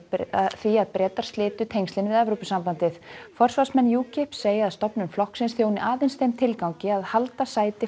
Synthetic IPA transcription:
θviaðpɾɛːt̪aɾ̥st̪lɪːt̪ʏt̪ʰejŋst̪lɪnɪvɪðɛvɾowpɪsːampant̪ɪθfɔr̥svasmɛnːjuːcɪhpseːjɪaðst̪ɔpnʏnflɔhksɪnsθjownɪʔaːðejnsθejmt̪ʰɪlkawɲcɪaðhalt̪asaːjt̪ɪ

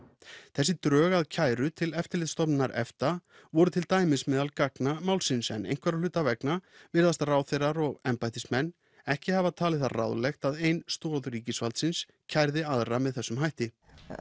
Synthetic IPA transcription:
θɛsːɪt̪ɾœːɣaðcʰaːjɾʏt̪ʰɪlɛft̪ɪɾlɪðst̪ɔpnaɾɛ̰ft̪a | vɔɾʏt̪ʰɪlt̪aːjmɪnsmɛːðalkaknamaːwlsɪnsɛ̰nḛjnkvɛɾalʏːt̪avɛknavɪɾðast̪araːwθejraɾɔɣɛmpajt̪ɪsmɛnː | ɛhcɪhavat̪ʰaːlɪθara̰wðlɛxt̪aðejnst̪ɔːðɾiːcɪsvalt̪sɪns | cʰajɾðɪaðɾamɛðθɛsːʏmɦajht̪ɪ

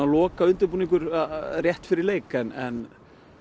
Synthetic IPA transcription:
alɔːkaʏnt̪ʏɾpunĩŋk̬ʏɾrjɛht̪fɪɾɪɾleːjkɛnɛn

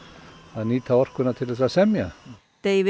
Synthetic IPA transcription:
anit̪ʰaɔr̥kʰwɪnat̪ʰɪlɛsasɛmja | d̪̥ejv

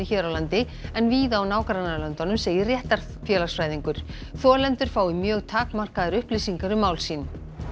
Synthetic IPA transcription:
ɪçɛːɾawlant̪ɪ | ɛnviːðaːwnaːwkaɾanalœnt̪ɔnʏmseːjɪrjɛht̪aɾ̥ | fjɛːlasfɾaːjðiŋkʏɾ̥ | θɔːlɛnt̪ʏɾ̥faːwɪmjœːɣt̪ʰaːkmar̥kaðaɾʏhpliːsiŋkaɾʏmaːwlsiːn

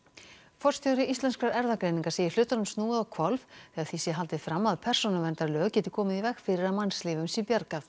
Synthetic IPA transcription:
fɔr̥st̪jɔwɾɪʔist̪ɛnskɾaɾɛɾðakɾejnĩŋkaɾ̥seːjɪɾ̥lʏːt̪anʏmst̪nuːaðɔkʰvɔlvθɛːɣaðθisɛɦalt̪ɪ̥fɾamːaðpʰɛr̥sɔnavɛnt̪aɾlœːɣcɛt̪ɪ̥kʰɔːmɪðivɛxfɪɾɪɾaðmansliːvʏmsipjɛɾkaθ

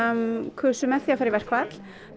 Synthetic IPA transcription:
kʰœsʏmɛθiafaːɾɪvɛr̥kʰvat̪l̥

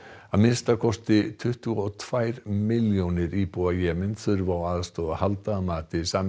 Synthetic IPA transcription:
amɪnst̪akʰɔst̪ɪt̪ʰʏht̪ʏɔt̪ʰv̥ajɾmɪljownɪɾipuajɛːmɪnθʏɾvawaːðast̪ɔːðahalt̪amaːt̪ɪsaːm

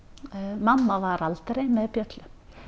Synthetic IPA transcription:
manːavaɾalt̪ɾejmɛðpjœt̪lʏ

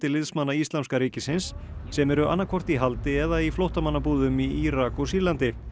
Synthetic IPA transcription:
t̪ɪlɪðsmanːaist̪amskaɾiːcɪsɪnsːɛmɛɾʏʔa̰nːakʰɔr̥t̪iɦalt̪ɪɛðaiflowht̪amanːapuːðʏmiiɾakɔsilant̪ɪ

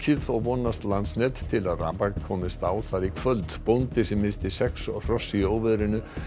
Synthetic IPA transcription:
cʰɪθɔɣvɔnːast̪lansnɛt̪t̪ʰɪlaðra̰ːpaɣkʰɔːmɪst̪aːwθaɾikʰvœlt̪pownt̪ɪsɛmːɪnst̪ɪsɛksɔr̥ɔsːioːwvɛðɾɪnʏ

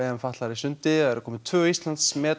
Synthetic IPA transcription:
ɛɛmfaht̪laɾisʏnt̪ɪɛɾkʰɔːmɪt̪ʰvœːist̪lant̪smɛː

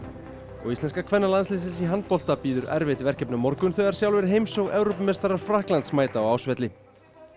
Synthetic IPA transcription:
ɔɣist̪ɛnskakʰvɛnːalanslɪs̬ɪsiɦant̪̚pɔl̥t̪apiːðʏɾɛ̰ɾvɪt̪vɛr̥cɛpnamɔɾkʏnθœɣaɾ̥sjawlvɪɾɦeːjmsɔɣɛwɾowpʏmɛst̪aɾaɾ̥fɾahklant̪smaːjt̪aɔɣawsvɛt̪lɪ

